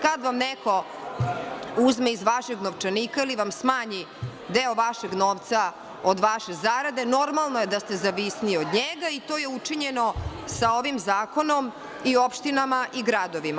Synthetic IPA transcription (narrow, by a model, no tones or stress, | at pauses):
kad̪ʋamneko̞ | uzmeizʋaʃeɡnoʋt͡ʂanikailiʋamsmaːɲi | d̪eoʋaʃeɡnoːʋt̪sa | od̪ʋaʃezaɾad̪e̞no̞ɾmalˠnojed̪ast̪ezaʋisniod̪ɲeɡait̪o̞ːje̞ut͡ʂiɲeno̞sao̞ʋimzaːko̞no̞m | iopʃt̪inamaʔiɡɾad̪oʋima